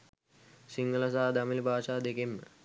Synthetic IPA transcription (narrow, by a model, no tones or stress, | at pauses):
siŋɡɐlɐsaːd̪ɐmilibʱaːt͡ʃaːd̪ekemː